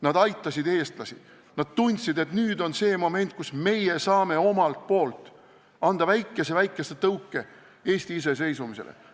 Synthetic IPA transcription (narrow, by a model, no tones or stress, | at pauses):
nɑd̪ɑjt̪ˑːɑsʲid̪e̞ːst̪lɑsi | nɑd̪̥̚t̪unʲt̪sid̪e̞t̪nyːd̪o̞nse̞ːmo̞me̞nʲt̪̚ˑkusme̞jesɑːme̞o̞mɑlt̪̚po̞ːlt̪ˑ | ɑnd̪̥ɑvæjkˑːe̞se̞væjkːˑeset̪ɤwkˑːe̞ | e̞ːsʲt̪iis̬e̞s̬e̞jsumise̞̰lḛ